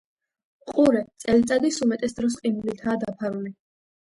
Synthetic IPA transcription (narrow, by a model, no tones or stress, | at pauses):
qʼuɾɛt̪sʼɛlit̪sʼad̪isumɛt̪ʼɛsd̪ɾɔs̬qʼinulit̪ʰaːd̪apʰaɾuli